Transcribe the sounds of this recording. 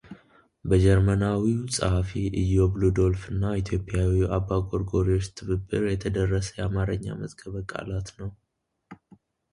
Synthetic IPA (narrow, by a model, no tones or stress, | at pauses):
bəd͡ʒɛɾmənawisʼəhafiʔɨjːo̞blud̪o̞lfɨnːait̪ʰjo̞pʼːɪjawiʔabːaɡʼoɾɡo̞ɾiot͡ʃːt̪ʰɨβɨbːɨɾjɛt̪ʰəd̪ərːəsə̥jɛamaɾəɲːa̰məzɡəβkʼa̰lat̪nəw